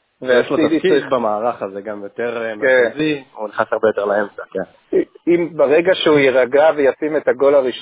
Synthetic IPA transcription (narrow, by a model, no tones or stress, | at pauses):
vejaʃloiad̪ikidbamaːʁaχazeɡamjot̪eʁmeziuniχnasaʁbe̞jot̪eʁlaemt͡saken | imbaʁe̞ɡaʃeujeʁaɡavejasime̞t̪aɡo̞laʁiʃ